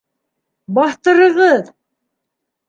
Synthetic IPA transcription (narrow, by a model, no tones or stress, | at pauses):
bɑθt̪ɤ̆ɾɤ̆ʁɤð